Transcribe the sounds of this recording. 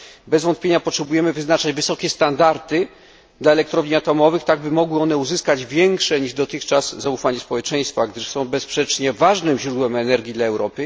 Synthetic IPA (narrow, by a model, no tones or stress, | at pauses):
bɛzvɔnt̪̚pʲjeɲapɔtʂɛbujɛmɘvɘznat͡ʂad͡ʑvɘsɔkʲɛst̪and̪aɾt̪ɘ | d̪laɛlɛk̚t̪ɾɔvɲiat̪ɔmɔvɘxt̪aɡbɘmɔɡwɘɔnɛuzɘskad͡ʑvʲjɛŋkʂɛɲiʐd̪ɔt̪ɘxt͡ʂaz̥zaufaɲɛspɔwɛt͡ʂɛ̃j̃st̪faɡd̪ɘʂsɔ̃w̃bɛspʂɛt͡ʂɲɛvaʐnɘmʑɾud̪wɛmɛnɛɾɡʲid̪laɛwɾɔpɘ